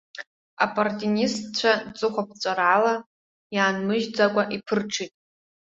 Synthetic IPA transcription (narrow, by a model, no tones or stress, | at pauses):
a̰pʰʼartʼinistt͡ɕʷʰat͡sʼɨχʷap̚ʰʼt͡sʷʼarala | jaːnmɨʒd͡zakʷʼaʔipʰɨrʈ͡ʂʰitʼ